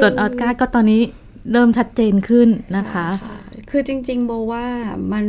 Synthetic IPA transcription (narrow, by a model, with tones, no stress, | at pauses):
su˨˩ənʔɔː˧˩t̪̚kaː˥˩kɔː˥˩t̪ɔː˧nːiː˦˥ | ɾɤː˥˩mt͡ɕʰa˦˥t̪̚t͡ɕeː˧nkʰɯ˥˩nːa˦˥kʰa˦˥a˥˩kʰɯː˧t͡ɕi˧ŋt͡ɕi˧ŋbɔː˧waː˥˩ma˧n